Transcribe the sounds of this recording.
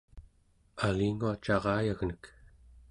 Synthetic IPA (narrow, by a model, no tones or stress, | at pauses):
aliːŋuat͡ʃɑʁɑːjaɣnək